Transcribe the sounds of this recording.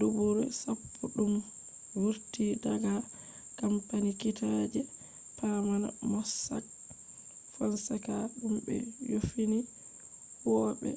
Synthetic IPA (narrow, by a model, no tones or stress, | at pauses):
dubuɾɛsapʰːɔɗum | wuɾtidaɡa | kampanikitʰad͡ʒɛ | pamana̰mɔsa̰k̚ | fɔnsɛkaɗumbɛ̰jofini | wɔɓɛ̰